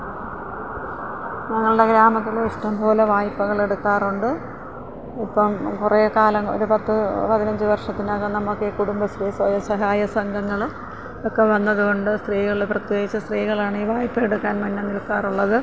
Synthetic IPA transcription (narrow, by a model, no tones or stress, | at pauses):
ɲɐŋːɐɭɨɽe̞ɡɾaːmɐt̪ːilːeiʂʈɐmpo̞ːle̞ʋaːjpːɐɣɐɭe̞ɽukːaːruɳɖɨ | ipːɐmkurekaːlɐŋo̰ɾupɐt̪ːɨpɐðinɐɲd͡ʑɨʋɐrʂɐt̪ːinaɣɐmnɐmːo̞kːekuɽumbɐst̪riːsɐjɐsɐɦaːjɐsɐŋɡʱɐŋːɐɭ | okːeʋɐnːɐðuko̞ɳɖɨst̪riːɣɐɭprɐt̪je̞ːɡit͡ɕːɐst̪riːɣɐɭaːɳɨiːʋaːjpːɐeɽukːaːnmɐnːɐnːilkːaːruɭːɐðɨ